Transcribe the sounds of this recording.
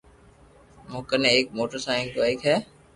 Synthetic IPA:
mʊ̃ːkəɾneeːk̚moːʈəɾsaːɪ̃ŋk̪oeːkɦɛː

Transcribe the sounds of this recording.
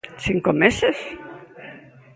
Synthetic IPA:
siŋkomeses

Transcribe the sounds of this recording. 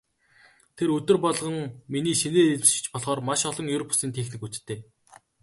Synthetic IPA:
t̪ʰeɾɵt̪ɵ̆rpɔɮʁə̆ŋminiːʃeneːɮʃ̆t͡ɕpɔɮχɔːrmaʃɔɮɞ̆ŋjɵwɾɔpʰḁsiːnt̪ʰexnĭkut͡ɕt̪ːeː

